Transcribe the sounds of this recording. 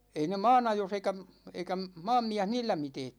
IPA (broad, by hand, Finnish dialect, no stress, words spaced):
ei ne mɑːnɑjos eikæ m eikæ m mɑːmːiæh niːlːæ miteːt